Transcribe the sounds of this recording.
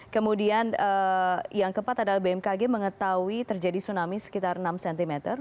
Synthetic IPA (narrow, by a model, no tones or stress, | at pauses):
kəmudianəjaŋkəpat̪adalabeɛmkaɡeməŋət̪awit̪ərd͡ʒadisunamisə̥kit̪arnamsɛnt̪imɛt̪ər